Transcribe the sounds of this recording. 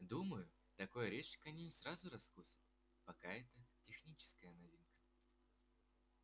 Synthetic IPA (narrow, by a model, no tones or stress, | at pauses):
d̪uməjʊ | t̪ɐko̞jəɾʲeʂkəɐnʲinʲɪsɾazʊɾɐskusʲʊ̥t̪ | pɐkaɛt̪ətʲɪxnʲit͡ɕɪ̥skəjənɐvʲinkə̥